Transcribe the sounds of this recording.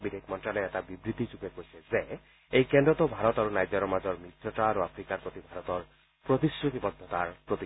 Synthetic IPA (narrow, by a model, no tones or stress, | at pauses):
bidʱekʰmɔnʈɾalɔet̪abibɾit̪it͡ʃupekoiseze | ejkend̪ɾɔt̪ɔbʱaɾɔt̪aɾunajd͡ʒɔɾɔmad͡ʒɔɾmit̪ʰjɔʈaɾoapʰɾikaɾpɾot̪ibʱaɾɔt̪ɔɾ | pɾot̪isut̪ibɔd̪ʱːɔt̪aɾpɾot̪i